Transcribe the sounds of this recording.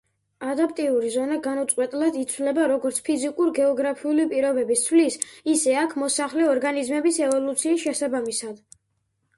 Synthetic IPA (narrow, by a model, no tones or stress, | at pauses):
ad̪apʼt̪ʼiuɾizɔnaɡanut̪sʼqʼwɛt̪ʼlad̪it̪sʰwlɛbaɾɔɡɔɾt̪sʰpʰizikʼuɾɡɛɔɡɾapʰiulipʼiɾɔbɛbist̪sʰwlisisɛakʰmɔsaχlɛɔɾɡanizmɛbisɛvɔlˠut̪sʰiːsʃɛsabamisad̪